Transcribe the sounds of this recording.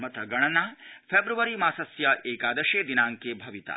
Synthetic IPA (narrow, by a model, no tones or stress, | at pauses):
mɐt̪ɐɡɐɳ̃ɐnaːfʰeːbɾuʋɐɾimaːsɐsjɐʔeːkaːd̪ɐʃeːd̪inaːŋkeːbʱɐʋit̪ɐ̰